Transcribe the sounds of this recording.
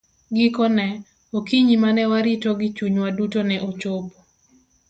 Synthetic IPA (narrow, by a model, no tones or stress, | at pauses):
ɡikɔnɛ | okiɲimanɛwaɾitoɡɪt͡ʃuɲwadutonɛʔot͡ʃob